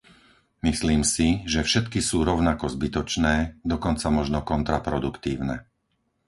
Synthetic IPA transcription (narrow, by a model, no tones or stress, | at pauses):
misliːmsiʒɛfʃɛt̪kisuːɾɔʊnakɔzbit̪ɔt͡ʃnɛːd̪ɔkɔnt͡samɔʒnɔkɔnt̪ɾapɾɔd̪ukt̪iːʊnɛ